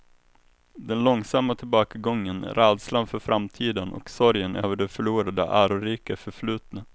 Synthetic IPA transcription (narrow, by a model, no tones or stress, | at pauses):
d̪ɛnlɔŋsamːat̪ʰɪlbɑːkaɡɔŋːən̰ɾɛːd̪slanfœɾfɾamt̪ʰiːd̪ənɔ̰ksɔɾjənʔøːvəɖɛfœɭuːɾad̪ə̰ʔæːɾʊɾiːkafœɾflʉ̟ːt̪nə